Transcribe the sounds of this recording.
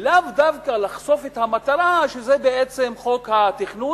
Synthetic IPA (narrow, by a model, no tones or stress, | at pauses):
lavd̪avkalaχso̞fet̪hamat̪aɾaʃezebeet͡se̞mχo̞khat̪iχnu